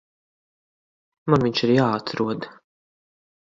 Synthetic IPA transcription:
manviɲʲt͡ʃiɾjaːat̪ʰɾuɔd̪

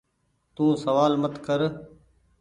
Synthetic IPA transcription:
t̪ũːsəʋaːlmət̪kəɾ

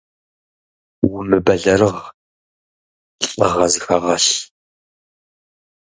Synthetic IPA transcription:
wʊmɨbɐɮɐɾɨʁ | ɬʼɐ̰ʁɐzɨxɐʁɐɬ

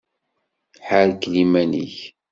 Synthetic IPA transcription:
ħəɾklimænḭç

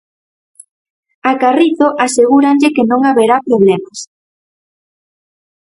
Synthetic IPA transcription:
akariθoʔaseɣuɾaɲʎɪkenõŋaβeɾapɾoβlemas

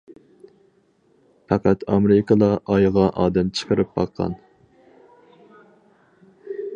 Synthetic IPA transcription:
pʰɑqæt̪ʰɑmeɾɪkəlˠɑʔɑjʁɑʔɑːd̪ɛmt͡ʃʰə̥qʰəɾɨp̚bɑ̰qʰːɑ̰n

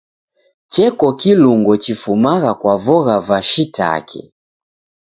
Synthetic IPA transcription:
t͡ʃɛkɔkiluŋɡɔt͡ʃifumaɣakwavɔɣavaʃita̰kʰɛ̰

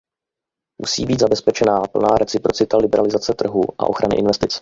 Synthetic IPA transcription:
mṵsḭːbiːd̪zabɛspɛt͡ʃɛnaːpl̩naːɾɛt͡sɪpɾo̞t͡sɪt̪alɪbɛɾalɪzat͡sɛt̪r̩ɦuːʔa̰ʔo̞xɾanɪ̰ʔɪ̰nvɛst̪ɪt͡s

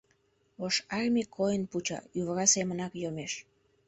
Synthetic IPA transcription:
oʃɑrmikʰːojənput͡ɕɑ̰yβəɾɑsemənɑkjomeʃ

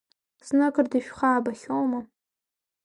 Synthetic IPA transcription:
snɨkʰʼɨrdiʃᶣχaːbaχʲowma

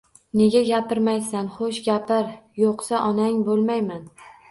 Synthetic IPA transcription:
ne̞ɡʲaɡʲapʰɪɾmajsanχoʃɡʲapʰɪɾjoqsaʔɒnaŋbolˠmajman

